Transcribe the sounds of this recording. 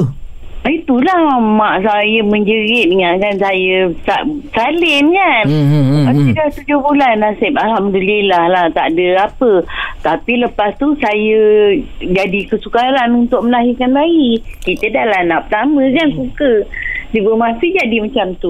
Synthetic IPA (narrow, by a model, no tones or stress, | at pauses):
it̪ulahmaʔsajəməɲd͡ʒəɣɪʔnəŋaʔkansajəsaʔsalɪnkanat̪idaht̪ud͡ʒʊhbulanasɪpalhamdəlilahlaht̪a̰ʔdəapət̪apiləpast̪usajə | d͡ʒadikəsukaɾanunt̪ʊʔ̚məlaɦirkanbaikit̪ədalanaʔpət̪amə̃kansukədibəmasɪd͡ʒadimat͡ʃamt̪u